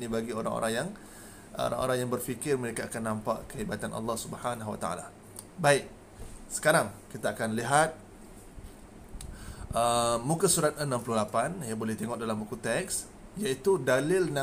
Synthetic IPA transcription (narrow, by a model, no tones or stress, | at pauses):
nĩbaɡioɾa̰ŋo̰ɾaŋjaŋ | o̰ɾa̰ŋo̰ɾaŋjaŋbərfikɪrmə̃ɾekaakanːãmpaʔkəibat̪anʔɑ̰lːɑhsubəhanaɦwa̰t̪a̰a̰la̰ | baɪk̚ | sə̥kaɾaŋkit̪aːkanliɦat̪̚ | ʔəːũkasuɾat̪̚ənãmpluhlapanjabolɛht̪eŋɔʔdalambukut̪ɛks | jait̪udalɪlna